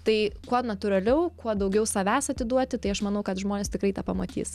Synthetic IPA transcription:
t̪ɐɪkuɔnɐt̪ʊɾɐlʲɛʊkuɔd̪ɐʊɡʲɛʊsɐʋʲæːsɐt̪ʲɪd̪uɔt̪ʲɪt̪ɐɪɐʃmɐnɐʊkɐt̪ʒmoːnʲest̪ʲɪkɾɐɪt̪ɑpɐmɐt̪ʲḭːs

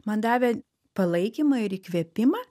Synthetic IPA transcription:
mɐnd̪ɑːʋʲɛ | pɐlˠɐɪkʲimɐɪɾikʋʲɛpʲɪmɐː

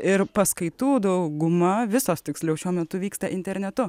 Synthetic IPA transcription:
ɪɾpɐskɐɪt̪uːd̪ɐʊɡʊmɐʋʲɪsoːst̪ʲɪksʲlʲɛʊʃʲuɔmʲɛt̪ʊʋʲiːkst̪ɐʔɪnʲt̪ʲɛɾʲnʲɛt̪ʊ

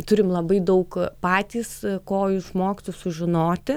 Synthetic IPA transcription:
t̪ʊɾʲɪmlˠɐbɐɪd̪ɐʊkpɑːt̪ʲiːskoːjusmoːkʲɪt̪ojsʊʒʲɪnoːt̪ʲɪ

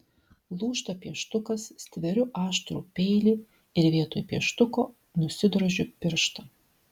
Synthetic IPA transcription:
lˠuːʃt̪ɐpʲiɛʃt̪ʊkɐssʲt̪ʲʋʲɛɾʲʊʔɑːʃt̪ɾuːpʲɛɪlʲiː | ɪɾʋʲiɛt̪oːjpʲiɛʃt̪ʊkoː | nʊsʲɪd̪ɾoʒʲʊpʲɪɾʃt̪ɐ

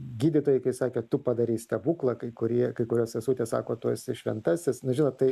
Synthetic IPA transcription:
ɡʲiːd̪ʲɪt̪oːjɪkɐɪsɑːkʲeːt̪ʊpɐd̪ɐɾʲiːst̪ɐbuːklˠɐkɐɪkʊɾʲiɛkɐɪkʊɾʲoːsʋʲɛsuːt̪ʲeːsɑ̰ːkoːt̪uɔsɪʃʲʋʲɛ̰nt̪ɑːsʲɪsnʊʒʲɪnoːt̪t̪ɐɪ

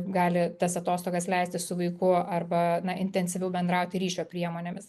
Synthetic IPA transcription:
ɡɑːlʲɪt̪ɐsɐt̪oːst̪oːɡɐslʲɛɪsʲt̪ʲɪsʊʋɐɪkʊɐrbɐnɐʔɪnʲt̪ʲɛnʲsʲɪʋʲɛʊbʲɛnd̪ɾɑʊt̪ʲɪɾʲiːʃʲoːpʲɾʲiɛmoːnʲeːmʲɪs

